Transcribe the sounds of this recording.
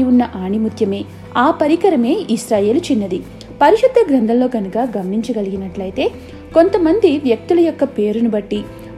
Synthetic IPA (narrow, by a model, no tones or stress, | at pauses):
unːɐʔaːɳimut̪ʰjɐme̞ː | aːpɐɾikɐɾɐme̞ːiʃɾaːje̞ːlut͡ʃinːɐd̪i | pɐɾiʂɐd̪ɐɡɾɐnd̪ʱɐmlo̞ːɡɐnukaːɡɐmɐniɲt͡ʃɐɡɐliɡinɐʈlɐjt̪e̞ː | ko̞nt̪ɐmɐnd̪iʋjɐk̚t̪ulɐjɔkːɐpe̞ːɾunubɐʈːi